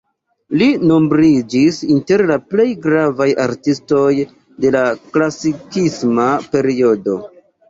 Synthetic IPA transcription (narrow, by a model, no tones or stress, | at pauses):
lino̞mbɾid͡ʒisinte̞ɾlaple̞jɡɾavajʔaɾtisto̞j | de̞laklasikismape̞ɾio̞do̞